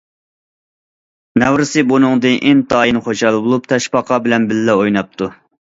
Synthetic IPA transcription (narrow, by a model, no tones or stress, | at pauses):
nɛwɾɪsɨbunɨŋd̪ɨnʔint̪ɑːjinχoʃɑlˠɨbolˠup̚t̪ʰɛʃpɑqʰɑbɪlɛnbɪlːɛojnɑp̚t̪ʰu